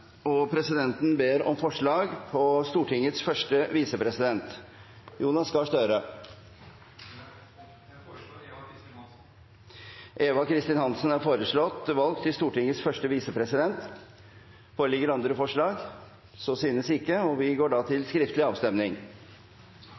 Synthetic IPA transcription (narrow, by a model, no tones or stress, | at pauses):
ɔpʰɾɛsɪd̪ɛnt̪n̩beːɾɔ̰mfɔʂɭɑːɡpʰɔst̪uːʈʰɪŋət̪sfœʂʈəʋiːsəpʰɾɛsɪd̪ɛnt̪ | juːnɑsɡɑʂt̪œɾə | ʔeːʋɑkʰɾɪst̪ɪnhɑnsənæɾfoːɾəʂɭɔt̪ːʋɑlkt̪ʰɪst̪uːʈɪŋːəsfœʂʈəʋiːsəpʰɾɛsɪd̪ɛnt̪ | foːɾəlɪɡəɾɑnd̪ɾəfɔʂɭɑːɡ | soːsyːnəsɪkːəɔʋɪɡoːɖɑːt̪ʰɪlskɾɪft̪əlɪɑːʋst̪ɛmnɪŋ